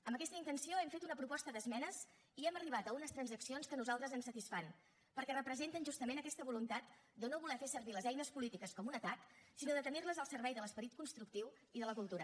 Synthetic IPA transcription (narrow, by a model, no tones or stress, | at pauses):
əmbəkɛst̪əint̪ənsioɛmfet̪unəpɾupɔst̪əðəzmɛnəz | iɛməriβ̞at̪əunəst̪ɾənzəksionskənuzalˠt̪ɾəzənsət̪isfan | pəɾkɛrəpɾəzent̪ənʒust̪əmenəkɛst̪əβulunt̪at̪̚d̪ənoβulɛfesəɾβiləzɛjnəspulit̪ikəskɔmunət̪aksinoðət̪ənirləzəlˠsəɾβɛjðələspəɾit̪̚kunst̪ɾuk̚t̪iw | iðələkulˠt̪uɾə